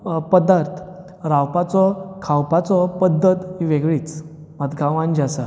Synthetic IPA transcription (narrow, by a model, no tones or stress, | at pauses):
pəd̪aɾt̪ʰ | ɾawpat͡sɔkʰawpat͡sɔpəd̪ːət̪ɦiʋeɡɭiːt͡s | məd̪ɡʱaʋãnd͡ʑasa